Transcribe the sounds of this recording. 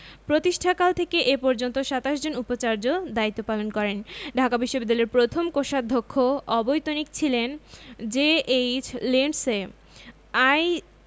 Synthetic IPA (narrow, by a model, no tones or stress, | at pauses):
pɾot̪iʃʈʰakalt̪ʰekeʔepɔɾd͡ʑont̪oʃat̪aʃd͡ʑonupot͡ɕaɾd͡ʑod̪ait̪ːopalonkɔɾenɖʱakabiʃːobid̪ːaleɾpɾot̪ʰomkoʃad̪ʱokʰːoɔbojt̪onikt͡ɕʰilend͡ʑeet͡ɕleɳɖse | aj